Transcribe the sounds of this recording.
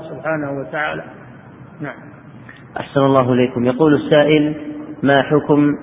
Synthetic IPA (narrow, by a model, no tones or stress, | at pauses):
sʊbħaːnahwat̪aʕaːlaː | naʕam | ʔa̰ħsanalˤːɑːɦʊʔɪleːkʊmjɑquːlasːaːʔɪlmaːħʊkm